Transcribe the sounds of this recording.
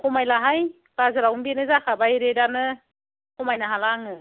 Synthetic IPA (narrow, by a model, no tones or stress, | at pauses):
kʰɔmajlaɦaj | pazɯɾawmbenɯzakʰabajɾedanɯ | kʰɔmajnaɦalaŋɯ